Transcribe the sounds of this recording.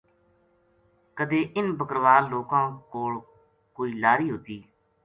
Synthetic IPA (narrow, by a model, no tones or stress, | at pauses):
kəd̪eːʔɪnbəkɾʋaːlːoːkãːkoːl | koːiːlaːɾiːɦoːt̪iː